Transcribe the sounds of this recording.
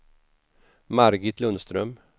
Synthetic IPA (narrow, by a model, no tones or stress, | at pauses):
maɾɡɪt̪ʰlɵnst̪ɾœm